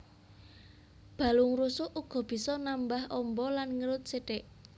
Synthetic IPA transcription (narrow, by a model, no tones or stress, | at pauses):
b̥ä̤lʊŋɾusʊʔuɡ̥ɔ̤b̥i̤sɔnambahʔɔmbɔlanŋəɾʊt̪̚seɖ̥ɛʔ